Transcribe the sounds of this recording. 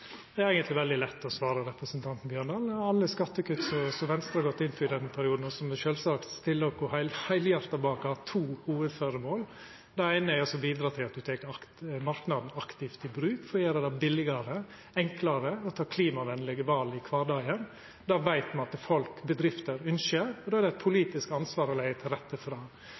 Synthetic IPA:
d̪ɛɾæɪɡənt̪lɪʋɛld̪ɪlɛt̪ːɔsʋɑːɾəɾɛpɾəsənt̪ʰɑnt̪n̩bjøːɳd̪ɑlɑlːəskɑt̪ːəkʉt̪ːsɔsɔʋɛnst̪ɾɑhɑɾɡɔt̪ːɪnpʰɔɪd̪ɛnːəpʰæɾɪuːd̪n̩ɔsɔmɛʃøːlsɑkt̪st̪ɪlːɔkɔhæɪlhæɪljɑɾt̪ɑbɑːkəhɑt̪ʰuːhuːəd̪føːɾəmoːl | d̪ɛæɪnəæɾɔsɔbiːd̪ɾɑːt̪ʰɪlɑt̪̚d̪ʉt̪ʰeːkɑmɑɾknɑd̪n̩ɑkt̪ɪft̪ɪbɾʉːkfɔjeːɾəd̪ɛbɪlɪɡɑɾə | ɛŋklɑɾəɔt̪ʰɑːkʰliːmɑʋɛnlɛɡəʋɑlɪkʰʋɑːɖɑːən | d̪ɑʋæɪt̪mɑnɑt̪fɔlkbəd̪ɾɪft̪əɾʉnʃəɾɔd̪oːæɖ̪ɛæɪt̪̚pʰʊliːt̪ɪskɑnsʋɑːɾɔlæɪət̪ʰɪlɾɛt̪ːəfɾɑː

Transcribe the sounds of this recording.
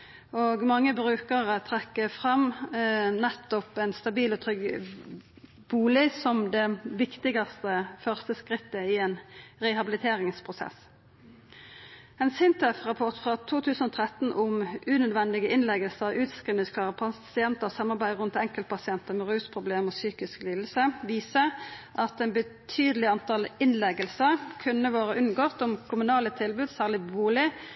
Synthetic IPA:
oːɡmɑŋːəbʁʉːkəʁət̪ʰʁɛkːəfʁɑm | nɛt̪ːɔpɛnst̪ɑbiːlɔt̪ʰʁʏɡ | b̥uːlɪsɔmd̪ɛʋɪkt̪ɪɡɑst̪əfœʁst̪əskɾɪt̪ːəɪɛnʁɛhɑbɪlɪt̪ʰeːɾɪŋspʰʁʊsɛ̰s | ɛnsɪnt̪ɛfʁɑpʰɔʁt̪fʁɑt̪ʰuːt̪ʰʉːsən̩ɔːt̪ʰʁɛt̪n̩ʔʊmʉːnœd̪ʋɛnd̪ɪɡəʔɪnlɛɡəlsəʁʉːt̪skʁiːʋnəskʰlɑːʁəpʰɑsɪɛnt̪əʁsɑmːɑʁbæɪʁʉnt̪ɛŋkəl̚pʰɑsɪɛnt̪əmɛʁʉːspʰʁʊbleːmoːsyːkɪskliːd̪l̩səʋiːsəʔɑt̪ɛːnbət̪ʰyːd̪əlɪɑnt̪ʰɑlɪnlɛɡəlsəʁkʰʉnəʋoːʁəʔʉnɡɔt̪ʊmkʰʊmʉnɑːlət̪ʰɪlbʉːd̪sæːʁlɪbuːlɪ

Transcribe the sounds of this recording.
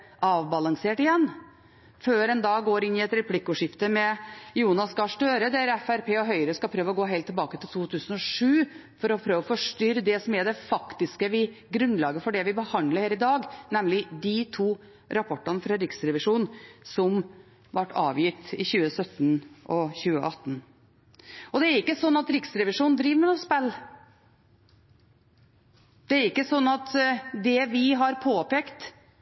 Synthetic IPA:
ɑːʋbɑlɑŋseːʈɪjɛnː | føːɾɛnd̪ɑːɡɡoːɾɪnːɪɛt̪ɾɛpʰlɪkːʊʂɪft̪əmɛjuːnɑskɑʂʈ̪øːɾəd̪æɾɛfæɾpʰeːɔɦœʏɾəskɑpʰɾøːʋəɔɡoːɦɛɪlt̪ːɛlbɑːkət̪ʰɪlt̪ʰuːt̪ʰʉːsənɔʂʉː | fɔɾɔpʰɾøːʋɔfɔʂʈʏɾd̪ɛsɔmæɖɛfɑkt̪ɪskəʋɪɡɾʉnlɑːɡəfɔɖɛʋɪbəhɑnd̪ləɾhæːɾɪd̪ɑːɡnɛmlɪd̪ɪt̪ʰuː | ɾɑpʰɔʈːɑnəfɾɑɾɪksɾɛʋɪʂuːnsɔm | ʋɑʈːɑ̰ːʋjɪt̪ːɪçʉːəsœt̪ːnʔɔçʉːəʔɑt̪ːn | ɔd̪ɛæɾɪkːəsɔnːɑt̪ɾɪksɾɛʋɪʂuːnd̪ɾiːʋmɛnʊspɛlː | d̪̥ɛæɾɪkːəsɔnːɑt̪d̪ɛʋɪɦɑɾpʰoːpeːkt̪

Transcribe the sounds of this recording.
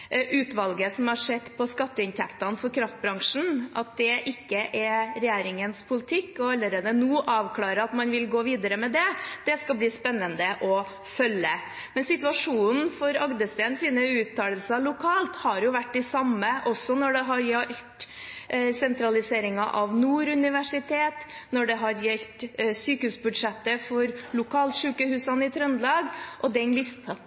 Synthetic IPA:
ʔʉːt̪ʋɑlɡəsɔmhɑʂɛd̪pʰɔskɑt̪ːəɪnt̪ʰɛkt̪ɑnfɔɾkʰɾɑft̪̚bɾɑŋʂɳ̩ɑt̪̚d̪ɛʔɪkːəʔɛɾɛjæːɾɪŋənspʰʊlɪt̪ʰɪkːɔɑlːəɾeːd̪ənuːʔɑːʋkʰlɑːɾəɑt̪mɑnʋɪlɡoːʋiːd̪əɾəmɛd̪ɛd̪̥ɛskɑbliːspɛnːənd̪əʔɔ | fœlːə | mɛnsɪt̪ʉɑʂuːnn̩fɔɾɑɡd̪əst̪eːnsiːnəʉːt̪ʰːɑːləlsɑlʊkʰɑːlt̪hɑɾjʊʋæʈːɪsɑmːəʔɔsːɔnɔɖɛɦɑɾjɛlt̪ | sɛnt̪ɾɑlɪseːɾɪŋɑʔɑʋnuːɾʉnɪʋæʂɪt̪ʰeːt̪nɔɖɛɦɑɾjɛlt̪syːkəhʉːsbʉd̪ʂɛt̪ːəfɔɾlʊkʰɑːlʂʉːkəhʉːsɑnɪt̪ʰɾœnlɑːɡʔɔd̪ɛnlɪst̪

